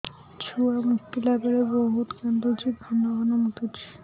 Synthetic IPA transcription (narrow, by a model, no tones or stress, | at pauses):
t͡ɕʰuamukːilabeɾeboɦut̪kand̪od͡ʑid̪̚b̪ʱonːoɔnomut̪ut͡ɕi̥